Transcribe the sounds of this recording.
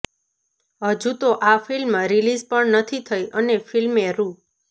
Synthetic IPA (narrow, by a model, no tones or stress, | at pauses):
ɦəd͡ʒut̪oʔafilmɾilid͡ʒpəɳnət̪ʰit̪ʰəjʔənefʰilmeɾu